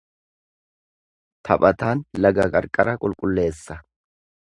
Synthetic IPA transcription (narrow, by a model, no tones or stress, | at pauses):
t̪ʰɐpʼɐt̪aːnlɐɡɐkʼɐɾkʼɐɾɐkʼʊlkʼʊlːe̞ːsːɐ